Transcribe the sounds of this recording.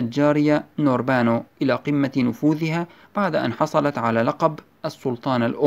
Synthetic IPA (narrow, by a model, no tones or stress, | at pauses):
ald͡ʒaːɾɪjanoːɾbaːnoʔɪlaːqɪmːanʊfuːðɪha | b̥aʕd̪aʔa̰nħɑsˤɑlɑt̪ʕalaːlɑqɑb | ʔɑsːʊlt̪ˤɑːnalʔʊ